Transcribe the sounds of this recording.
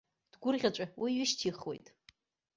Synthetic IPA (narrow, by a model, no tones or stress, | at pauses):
d̥ɡʷʊrʁʲaʈ͡ʂʷʼawiɥɪʃtʰiχwe̞̰jtʼ